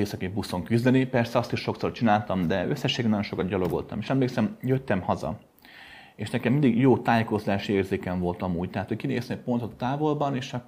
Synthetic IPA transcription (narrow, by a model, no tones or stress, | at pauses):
eːsɒkebusːo̞ŋkyzd̪ɛnipɛrsɛɒst̪iʃːo̞kso̞rt͡ʃinaːlt̪ɒmd̪ɛøsːɛʃːeːɡɛnɒjo̞nʃo̞kɒd̪̚ɟɒlo̞ɡo̞̰lt̪ɒmeːʃɛmleːksɛmjøt̪ːɛmhɒzɒ̰ | eːʃnɛkɛmind̪iɡjoːt̪aːjeko̞zlaːʃieːrzeːkɛɱvo̞lt̪ɒmuːɟt̪ɛɦaːt̪hockineːst̪ɛpont̪ot̪t̪aːvo̞lbɒneːʃɒkː